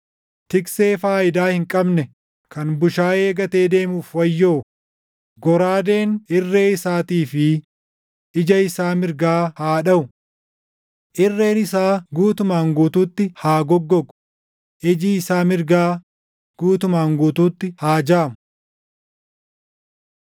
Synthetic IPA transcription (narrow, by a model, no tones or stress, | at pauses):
t̪ɪkse̞ːfaːʔɪd̪aːhɪŋkʼɐbnɛ | kɐnbʊʃaːe̞ːɡɐt̪e̞ːd̪e̞ːmuːfwɐjːoː | ɡɔɾaːd̪e̞ːnɪrːe̞ːɪsaːt̪iːfɪ | ɪd͡ʒɐɪsaːmɪɾɡaːhaːᶑɐʊ | ʔɪrːe̞ːnɪsaːɡuːt̪ʊmaːŋɡuːt̪uːt̪ːɪhaːɡɔɡːɔkʊ̥ | ʔɪd͡ʒiɪsaːmɪɾɡaː | ɡ̥uːt̪ʊmaːŋɡuːt̪uːt̪ːɪhaːd͡ʒaːmʊ